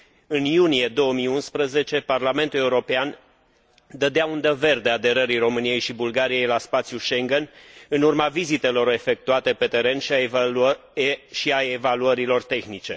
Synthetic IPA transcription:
ɨnjunije̞d̪o̞wəmijunspɾəze̞t͡ʃe̞parlame̞nt̪uleuɾo̞pean | d̪əd̪eaund̪eve̞rd̪e̞ad̪e̞ɾəɾiro̞mɨnije̞jʃibulɡaɾije̞jlaspat̪sʲjuʃe̞ŋɡenɨnurmavizit̪e̞lo̞ɾe̞fe̞k̚t̪uat̪e̞pe̞t̪e̞ɾe̞nʃ | ʃiaevaluəɾilo̞rt̪e̞xnit͡ʃe̞̰

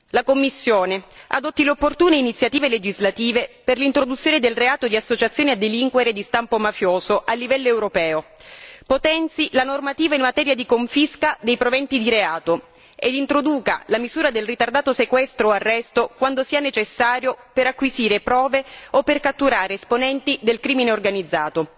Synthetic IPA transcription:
lakomːisːjoːnea̰d̪ot̪ːileopːort̪uːneinit̪sːjat̪iːveled͡ʒizlat̪iːveperlint̪ɾod̪ut̪sːjoːned̪elreaːt̪od̪iasːot͡ʃat̪sjoːnead̪ːeliŋkweɾed̪ist̪ampomafjoːzoʔalːivɛlːoewɾopɛːopot̪ɛnt̪silanormat̪iːvainmat̪ɛːɾjad̪ikoɱfiskad̪ejpɾovɛnt̪id̪iɾeaːt̪o | ḛd̪int̪ɾod̪uːka̰lamizuːɾad̪elrit̪ard̪aːt̪osekwɛst̪ɾoarːɛst̪okwand̪osiːanet͡ʃesːaːɾjopeɾakːwiziːɾepɾɔːveopːerkat̪ːuɾaːɾeːsponɛnt̪id̪elkɾiːmineorɡanid̪zːaːt̪o

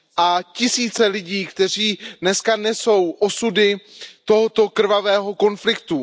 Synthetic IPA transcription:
ʔacɪsiːt͡sɛlɪɟiːkt̪ɛr̝iːdnɛskanɛso̞wʔo̞sudɪt̪o̞ɦot̪o̞kr̩vavɛːɦo̞ko̞nflɪk̚t̪u

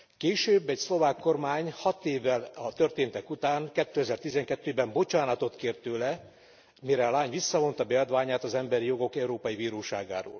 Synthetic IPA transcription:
keːʃøːbːɛcslo̞vaːkːo̞rmaːɲhɒt̪eːvːɛlɒt̪ørt̪eːnt̪ɛkut̪aːŋkɛt̪ːøːɛzɛrt̪izɛŋkɛt̪ːøːbɛmbo̞t͡ʃaːnɒt̪o̞t̪keːrt̪øːlɛ | miɾɛlaːɲvisːɒvo̞nt̪ɒbɛɒd̪vaːɲaːt̪ɒzɛmbɛɾijo̞ɡo̞kɛuɾoːpɒjiviːɾoːʃaːɡa̰ːɾo̰ːl

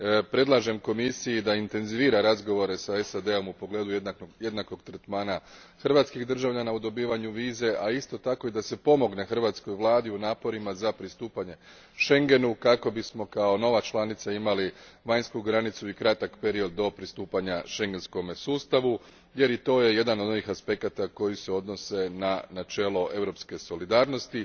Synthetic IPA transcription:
pɾe̞d̪lˠaʒe̞mko̞misijid̪aint̪e̞nziʋiːɾaɾazɡo̞ʋo̞ɾe̞saesad̪e̞o̞mupo̞ɡle̞ːd̪uje̞d̪nako̞ɡt̪ɾet̪maːna | xr̩ʋat̪skiɣd̪r̩ʒaʋʎanaud̪o̞biːʋaɲuʋiːze̞ʔaist̪o̞t̪ako̞id̪ase̞po̞mo̞ɡne̞xr̩ʋat̪sko̞jʋlˠaːd̪iunaːpo̞ɾimazapɾist̪uːpaɲe̞ | ʃe̞ŋɡe̞nukako̞bismo̞kao̞no̞ʋat͡ʃlˠanit̪saimaliʋaɲskuɡɾanit̪suikɾat̪akpe̞ɾio̞d̪ːo̞pɾist̪uːpaɲaʃe̞ŋɡe̞nsko̞msuːst̪aʋu | je̞ɾit̪o̞ːje̞je̞d̪anod̪noʋixaspe̞kat̪ako̞jise̞o̞d̪no̞se̞nanat͡ʃe̞ːlo̞ʔe̞ʋɾo̞pske̞so̞lid̪aːɾno̞st̪i

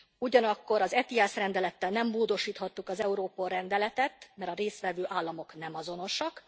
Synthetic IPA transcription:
uɟɒnɒkːo̞ɾɒzɛt̪iɛsrɛnd̪ɛlɛt̪ːɛlnɛmboːd̪o̞ʃiːt̪hɒt̪ːukɒzɛuɾoːpolrɛnd̪ɛlɛt̪ɛt̪mɛɾɒɾeːst̪ʋɛvøːʔaːlːɒmo̞knɛmɒzo̞no̞ʃɒk

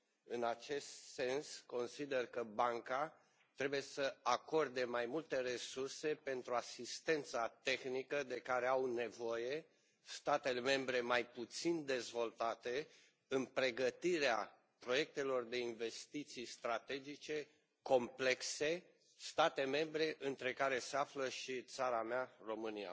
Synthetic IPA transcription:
ɨnat͡ʃe̞st̪se̞nsko̞nsid̪e̞rkəbaŋka | t̪ɾe̞buje̞səako̞rd̪e̞majmult̪e̞re̞surse̞pe̞nt̪ɾuasist̪e̞nt̪sat̪e̞xnikəd̪e̞kaɾe̞awne̞vo̞je̞ | st̪at̪e̞le̞me̞mbɾe̞majput̪sind̪e̞zvo̞lt̪at̪e̞ | ɨnpɾe̞ɡət̪iɾea | pɾo̞je̞k̚t̪e̞lo̞rd̪e̞inve̞st̪it̪sijst̪ɾat̪e̞d͡ʒit͡ʃe̞ | ko̞mple̞kse̞ | st̪at̪e̞me̞mbɾe̞ʔɨnt̪ɾe̞kaɾe̞seafləʃit̪saɾamearo̞mɨnia̰

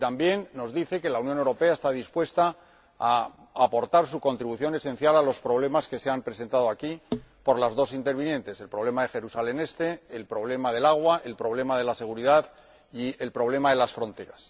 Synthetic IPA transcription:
t̪ambje̞nːo̞zðiθe̞ke̞launjo̞ne̞wɾo̞pe̞aest̪aðispwe̞st̪aː | apo̞ɾt̪aɾsuko̞nt̪ɾiβuθjo̞ne̞sẽ̞n̟θjalalo̞spɾo̞βle̞maske̞seampɾe̞se̞nt̪að̞oakipo̞ɾlazðo̞sint̪eɾβinjẽ̞nt̪e̞selpɾo̞βle̞maðe̞xe̞ɾusale̞ne̞st̪e̞ːlpɾo̞β̞le̞maðe̞laɣwaʔe̞lpɾo̞β̞le̞maðe̞lase̞ɣ̞uɾiðað | ie̞lpɾo̞β̞le̞maðe̞lasfɾõ̞nt̪e̞ɾas

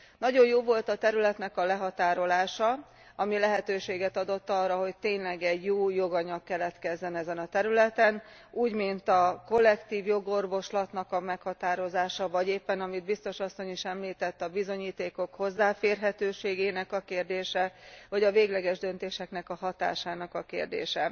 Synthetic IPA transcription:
nɒɟo̞jjoːvo̞lt̪ɒt̪ɛɾylɛt̪nɛkɒlɛɦɒt̪aːɾo̞laːʃɒ | ɒmilɛɦɛt̪øːʃeːɡɛt̪ɒd̪o̞t̪ːɒrːɒɦo̞ct̪eːɲlɛɡɛɟjoːjo̞ɡɒɲɒkːɛlɛt̪kɛzːɛnɛzɛnɒt̪ɛɾylɛt̪ɛn | uːɟmint̪ɒko̞lːɛkt̪iːvjo̞ɡo̞rvo̞ʃlɒt̪nɒkɒmɛkhɒt̪aːɾo̞zaːʃɒvɒɟeːpːɛnɒmid̪̚bist̪o̞ʃɒsːo̞ɲiʃɛmliːt̪ɛt̪ːɒbizo̞ɲiːt̪eːko̞kho̞zːaːfeːrɦɛt̪øːʃeːɡeːnɛkɒkeːrd̪eːʃɛɦoɟɒveːɡlɛɡɛʒd̪ø̞nt̪eːʃɛknɛkɒɦɒt̪a̰ːʃaːnɒkɒkḛːrd̪ḛːʃɛ

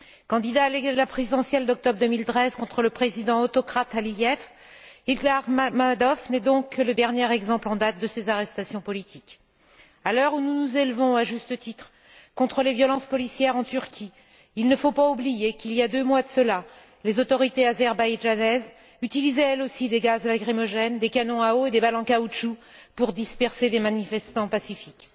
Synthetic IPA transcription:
kɑ̃d̪id̪aːled̪əlapχezid̪ɑ̃sjɛld̪ɔk̚t̪ɔbʁd̪əmilt̪χɛzkɔ̃t̪χələpχezid̪ɑ̃ot̪ɔkχat̪aliljɛf | iɡlaʁmmad̪ɔfnɛd̪ɔ̃kːələd̪ɛʁnjɛʁɛɡzɑ̃plɑ̃d̪at̪̚d̪əsezaʁɛst̪asjɔ̃pɔlit̪ik | alœʁununuzelvɔ̃aʒyst̪ət̪it̪χ | kɔ̃t̪χəlevjɔlɑ̃spɔlisjɛʁɑ̃t̪yʁkʲʰi | ilnəfopaublijekiljad̪ømwad̪əsəla | lezot̪ɔʁit̪eazɛʁbajʒanɛz | yt̪ilizɛɛlosid̪eɡazlaɡʁimɔʒɛnd̪ekanɔ̃aoed̪ebalɑ̃kauʃu | puʁd̪ispɛʁsed̪emanifɛst̪ɑ̃pasifik

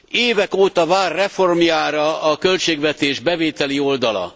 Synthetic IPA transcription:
eːvɛkoːt̪ɒvaːrːɛfo̞rmjaːɾɒɒkølt͡ʃeːɡvɛt̪eːʒbɛveːt̪ɛlio̞ld̪ɒlɒ̰

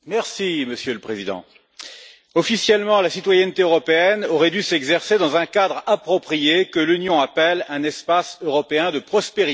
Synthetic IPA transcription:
mɛʁsiməsjøləpχezid̪ɑ̰̃ | ɔfisjɛlmɑ̃lasit̪wajɛnt̪eøʁɔpeɛnɔʁɛd̪ysɛɡzɛʁsed̪ɑ̃zɛ̃kad̪ʁapχɔpχijekəlynjɔ̃apɛlɛ̃nɛspasøʁɔpeɛ̃d̪əpχɔspeʁi

